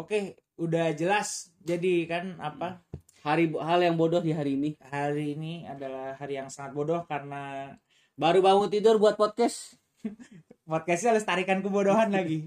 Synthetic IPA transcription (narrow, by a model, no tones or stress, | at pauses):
oke | udahd͡ʒəlas | d͡ʒadikanapa | haɾiɦaljaŋbodɔhdiɦaɾiːnihaɾiːniadalahhaɾijaŋsaŋat̪̚bodɔhkaɾəna | baɾubaŋʊnt̪idʊrbuat̪̚pɔt̪̚kɛs | pɔt̪̚kɛsɲaalʊst̪aɾikankəbodoɦanlaɡi